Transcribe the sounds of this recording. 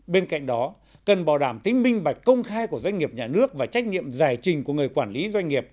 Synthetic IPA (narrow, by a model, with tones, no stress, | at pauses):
ɓe˧nka̰˧˨jŋ̟ɗɔ˨˦ | kə˨˩nɓaː˨˩wɗaː˧˩mt̪ï˨˦ŋ̟mï˧ŋ̟ɓa˨˩jk̟̚kə˧wŋ͡mxaː˧jku˧˩əzwa˧jŋ̟ŋi˨˩əp̚ɲaː˨˩nɨ˦˥ək̚vaː˨˩t͡ɕa˦˥k̟̚ɲḭ˧˨əmzaː˧˩jt͡ɕï˨˩ŋ̟ku˧˩əŋɨ˨˩əjkwaː˧˩nli˨˦zwa˧jŋ̟ŋi˨˩əp̚